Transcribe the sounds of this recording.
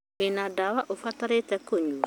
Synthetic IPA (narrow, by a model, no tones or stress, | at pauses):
enadawaʔofataɾetɛkoɲua